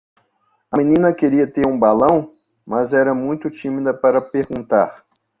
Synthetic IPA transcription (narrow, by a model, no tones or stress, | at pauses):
ɐmĩnĩnɐkeɾiɐt̪eɾũbalɐ̃w̃ | mɐzɛɾɐmũj̃t̪ʊt͡ʃĩmid̪ɐpaɾɐpeɾɡũnt̪a̰ɾ